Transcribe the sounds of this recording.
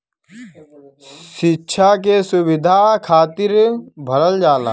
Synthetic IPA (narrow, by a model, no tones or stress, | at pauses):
ʃɪtːʃʰak̬esʊʋɪd̪ʱakʰaːt̪ɪɾbʱələld͡ʒaːla̰ː